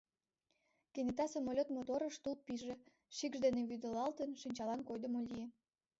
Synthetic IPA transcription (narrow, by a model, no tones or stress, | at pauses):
keŋet̪ɑsemolʲot̪mot̪oɾəʃt̪ulp̚piʒe | ʃikʒd̪eneβyd̪əlɑlt̪ənʃinʲt͡ɕɑlɑnkojd̪ə̆molʲije